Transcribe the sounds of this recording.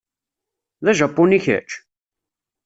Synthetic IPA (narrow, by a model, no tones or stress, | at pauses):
ðæʒæpːʊniçæ̰t͡ʃ